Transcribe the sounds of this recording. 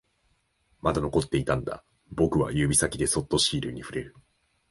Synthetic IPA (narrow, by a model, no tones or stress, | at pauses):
mad̪ano̞ko̞t̪ːe̞it̪ãnd̪a̰ | bo̞kɯ̟βa̰jɯːbʲisakʲid̪e̞so̞t̪ːo̞ɕiːɾɯ̟̰ɲ̟iɸɯ̟ɾe̞ɾɯ̟